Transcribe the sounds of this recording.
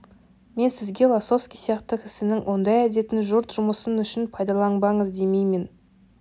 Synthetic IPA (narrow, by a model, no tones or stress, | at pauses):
me̞nsɪzɡʲe̞lˠaso̞fskʲijsijɑqt̪əqɪsɪnɪŋwʔo̞nd̪ɑjæd̪e̞t̪ɪnʒʊɾt̪ʒ̥ʊməsənʏʃɪnpʰɑjd̪ɑlˠɑɴbɑɴəzd̪e̞mejmɪn